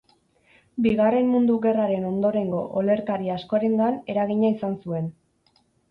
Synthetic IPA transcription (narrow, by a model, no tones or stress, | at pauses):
biɣare̞mmund̪uɣe̞raɾe̞no̞nd̪o̞ɾe̞ŋɡo̞̰ʔole̞ɾkaɾiasko̞aɾe̞ŋɡane̞ɾaɣ̞iɲaisansue̞n